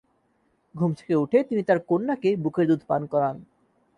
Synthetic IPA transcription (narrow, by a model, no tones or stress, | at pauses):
ɡʱumt̪ʰe̥keuʈʰet̪init̪aɾkonːakebukʰeɾd̪ud̪ʱpankɔɾan